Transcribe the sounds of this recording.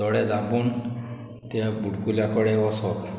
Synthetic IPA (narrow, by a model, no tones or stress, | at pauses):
ɔɽɛd̪apun | t̪ebuɽkuljakɔɽɛɔsɔt̪